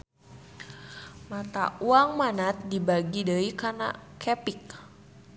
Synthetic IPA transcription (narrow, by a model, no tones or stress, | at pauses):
mat̪a̰uaŋmanat̪̚dibaɡidəikana̰kʰɛpik̚